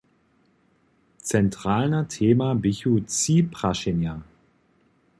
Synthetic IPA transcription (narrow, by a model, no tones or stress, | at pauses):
t͡sɛntʁ̥aːlnɐtʰeːmabɪçut͡siːpʁ̥aʃɪnja